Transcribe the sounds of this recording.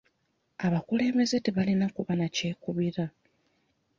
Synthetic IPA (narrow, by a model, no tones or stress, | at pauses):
aβakule̞ːme̞zetiβalinakuβanace̞ːkuβiɾa